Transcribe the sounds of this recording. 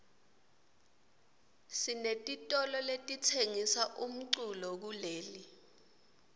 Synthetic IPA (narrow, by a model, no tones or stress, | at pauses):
sinetʼitʼɔlɔletʼitʰeŋisaʔum̩ǀulɔk̬uleːli